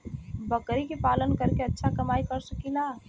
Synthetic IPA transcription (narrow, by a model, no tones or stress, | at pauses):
bəkɾikepaːlənkəɾkeətːʃʰakəmaːikəɾsəkila